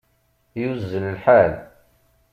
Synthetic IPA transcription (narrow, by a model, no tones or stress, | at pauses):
juzːələlħal